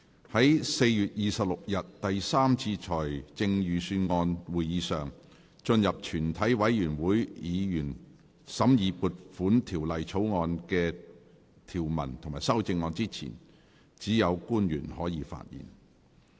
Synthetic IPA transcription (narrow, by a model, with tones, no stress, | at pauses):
hɐ˨˥jse˧jjyː˨t̚jiː˨sɐ˨p̚lʊ˨k̚jɐ˨t̚t̪ɐ˨jsaː˥mt͡sʰiː˧t͡ʃʰɔː˨˩jt͡sɪ˧ŋjyː˨˧syː˧nŋɔː˧nwuː˨˩jjiː˨˧sœː˨˩ŋ | t͡ʃɵ˧njɐ˨p̚t͡ʃʰyː˨˩nt̪ʰɐ˨˥jwɐ˨˥jjyː˨˩nwuː˨˥jjiː˨˧jyː˨˩n | sɐ˨˥mjiː˨˧puː˧t̚fuː˨˥nt̪ʰiː˨˩wlɐ˨jt͡sʰo˨˥wŋɔː˧nkɛː˧ | t̪ʰiː˨˩wmɐ̰˨˩nt̪ʰo˨ŋmaː˨˩jsɐ˥wt͡sɪ˧ŋːɔː˧nt͡siː˥t͡sʰḭː˨˩n | t͡siː˨˥jɐ˨˧wkuː˥njyː˨˩nhɔː˨˥jiː˨˧fa̰ː˧t̚jḭː˨˩n